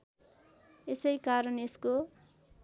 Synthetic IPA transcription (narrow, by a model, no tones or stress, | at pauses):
esʌjkaɾʌnesko